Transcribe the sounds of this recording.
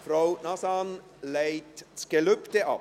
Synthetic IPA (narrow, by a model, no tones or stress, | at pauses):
fraʊnɑsɑn | leɪtsɡ̥eløptəʔɑ̰